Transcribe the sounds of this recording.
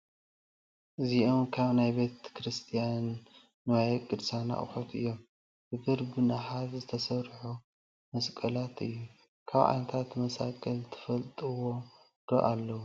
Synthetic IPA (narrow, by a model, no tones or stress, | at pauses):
ʔɨziʔomkʰaβnajbe̞t̪kʰɾɨst̪ʰijanː | ɨwajɛkʼɨd̪sjana̰χɨ̰ħot̪ʰɨ̰jːo̞m | b̥ɨɡɨɾbɨnaħat̪zɨt̪ʰɐsɐβɾħu | mɐskʼɐlat̪ɨ̰jːu | kʰaβʕa̰nɐt̪ʰat̪mɐsa̰kʼɐlt̪ʰɨ̥fɐlt̪ʼɨwo̞ | d̪̥o̰ʔalːɐwu